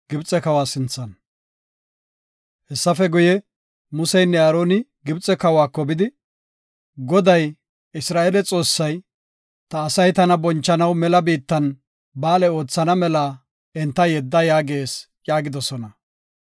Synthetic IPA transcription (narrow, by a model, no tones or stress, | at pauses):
ɡ̥ɪbt͡sʼɛkɐwaːsɪnt͡sːɐn | hɛsːɐfɛɡʊjɛ | mʊsɛjnːɛaːɾoːnɪɡɪbt͡sʼːɛkɐwaːkːɔbɪd̪ɪ | ɡɔd̪ɐj | ɪsɾaːʔelɛt͡sʼo̞ːsːɐj | t̪ɐːsɐjt̪ɐnɐbɔnt͡ʃːɐnɐwmɛlɐbiːt̪ːɐn | baːlɛo̞ːt͡sːɐnɐmɛlaː | ɛnt̪ːɐjɛd̪ːɐjaːɡe̞ːs | jaːɡɪd̪ɔsɔnɐ